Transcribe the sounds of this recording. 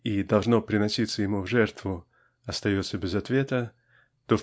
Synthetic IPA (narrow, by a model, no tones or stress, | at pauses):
id̪ɐlˠʐno̞pɾʲɪnɐsʲit̪səjɪmuvʐɛrt̪vʊ | ɐst̪ɐjot̪səbʲɪzɐt̪vʲe̞t̪ə | t̪o